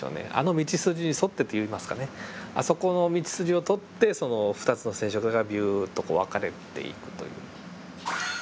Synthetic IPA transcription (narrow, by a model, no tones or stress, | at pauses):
o̰ne̞̰a̰no̞mʲit͡ɕisɨd͡ʑiɲ̟iso̞t̪ːe̞t̪ːejɯ̟imasɨ̥kaneaso̞ko̞no̞mʲit͡ɕi̥sɨɾio̞t̪o̞t̪ːe̞so̞no̞ɸɯ̥t̪at͡sɨno̞sẽɕo̞kɯɡabʲjɯːt̪o̞koːβakaɾe̞̰t̪e̞̰ḭkɯ̟̥t̪o̞̰jɯ̟̰ː